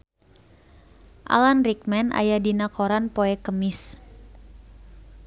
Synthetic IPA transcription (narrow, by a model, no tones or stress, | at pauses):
ʔa̰lanrik̚mɛnʔa̰jadinakoɾanpoɛkəmis